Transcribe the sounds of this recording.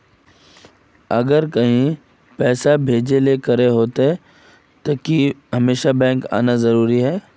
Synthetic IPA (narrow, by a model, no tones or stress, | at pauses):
ɐɡəɾkɐɦĩ | pɛːsabʱeːd͡ʒelekɐɾeɦoːt̪e | t̪okiɦɐmeːʃabɛ̃ːŋka̰ːnazɐɾuːɾiɦɛː